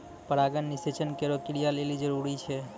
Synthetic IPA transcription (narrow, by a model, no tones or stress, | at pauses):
pəɾaɡənːiset͡ʃənkeɾokɪɾijalelid͡ʒəɾuɾit͡ʃʰe